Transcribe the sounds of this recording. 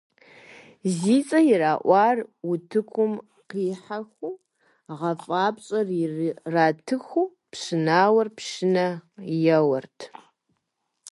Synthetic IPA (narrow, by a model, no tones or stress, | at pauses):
ziːt͡sʼɐjɪraːʔʷɑːrwʊtʰɨkʷʰʊm | qiːħaxʷuː | ʁɐfʼaːpɕʼɐrirraːtʰɨxuː | pɕɪnaːwɐrpʃɪnɐjɐwɐrtʰ